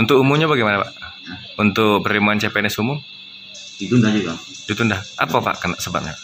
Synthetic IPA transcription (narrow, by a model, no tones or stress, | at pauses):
unt̪ʊkumumɲabaɡɛjmanapaʔ | unt̪ʊk̚pəɾimuant͡ʃepɛnɛsumʊm | dit̪undahd͡ʒuɡa | d̥it̪undahʔa̰papa̰ʔkəna̰ʔsəba̰p̚ɲa̰paʔ